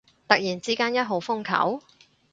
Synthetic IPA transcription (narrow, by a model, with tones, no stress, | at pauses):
t̪ɐ˨k̚jiː˨˩nt͡siː˥kaː˥njɐ˥t̚ɦo˨˧˥wfʊ˥ŋkʰɐ̰˨˥w